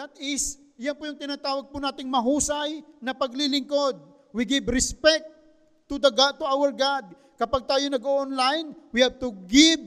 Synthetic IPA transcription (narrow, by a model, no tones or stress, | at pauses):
d̪at̪ɪs | janpʊjʊŋt̪ɪnaːt̪aːwɐɡ̚pʊnaːt̪ɪŋmɐɦuːsɐjnɐpɐɡlilɪŋkod̪̚ | wiɡɪbɾɛspɛk̚t̪ː | ʊd̪ɐɡaʔt̪uawəɹɡad̪̚ | kɐpaɡ̚t̪aːjonɐɡoʔonlajnwɪhab̚t̪ʊɡɪb̚